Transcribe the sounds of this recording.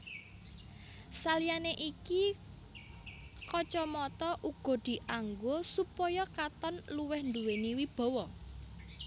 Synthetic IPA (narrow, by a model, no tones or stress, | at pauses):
salijaneʔiki | kɔt͡ʃɔmɔt̪ɔʔuɡ̥ɔ̤d̪̥i̤ʔaŋɡosupɔjɔkat̪ɔnluwɛhnd̪uweniwib̥ɔ̤wɔ